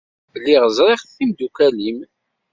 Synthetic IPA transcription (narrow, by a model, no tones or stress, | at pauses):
əlːiʁəzˤɾˤeχθimd̪ukælim